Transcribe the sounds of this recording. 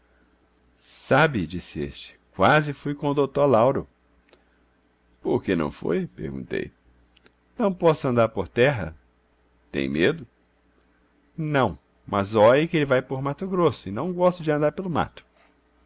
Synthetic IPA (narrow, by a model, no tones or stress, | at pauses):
sabɪd͡ʒisɪḛst͡ʃɪ̥kwazɪfujkõʊd̪ot̪oɾlawɾʊ | poɾkenɐ̰̃w̃fo̰jpḛɾɡṵ̃nt̪ḛj | nɐ̃w̃pɔsʊɐ̃nd̪aɾpoɾt̪ɛɦɐ̰ | t̪ḛ̃j̃med̪ʊ | nɐ̃w̃ | mʔɐzɔjɪkɪelɪvajpoɾmat̪ʊɡɾosʊɪnɐ̃w̃ɡɔst̪ʊd͡ʒɪɐ̃nd̪aɾpelʊma̰t̪ʊ̥